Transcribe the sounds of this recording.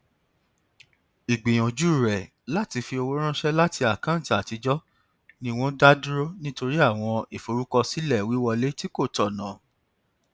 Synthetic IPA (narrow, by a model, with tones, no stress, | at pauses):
i˨ɡ͡bi˨j̃ɔ̃˨d͡ʒu˦˨ɾɛ˨ | la˦ti˧fi˧o˧wo˦ɾ̃ã˦ʃɛ˦la˦ti˧a˨kã˨˦˨ta˨ti˨˧d͡ʒɔ˦ | nĩ˦˧w̃ɔ̃˦da˦du˦ɾo˦nĩ˦to˧ɾi˦a˦˨w̃ɔ̃˧e˨fo˨ɾu˦kɔ˧si˦lɛ˦˨wi˨˦wɔ˧le˦ti˦ko˦˨tɔ˨nã˨